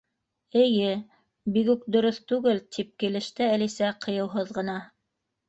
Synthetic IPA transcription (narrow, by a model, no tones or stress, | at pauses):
ɘ̆jɘ | biɣʉk̚d̪ŏɾɤθt̪ʉɡɘlt̪ʰip̚kilɘ̆ʃt̪ɘælisæqɤ̆jɤ̆wɦɤðʁɤ̆nɑ